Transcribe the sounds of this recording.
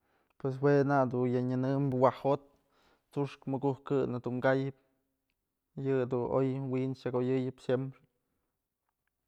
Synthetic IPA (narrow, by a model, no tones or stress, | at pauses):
pwes̬wenad̪unjaɲɨnɨmbwahot̪̚ | t͡suʂkmɨɡuhkɨnɨd̪uŋɡajɨp̚ | jɨd̪uno̰jwint͡ʃakojɨjɨpsjempɾe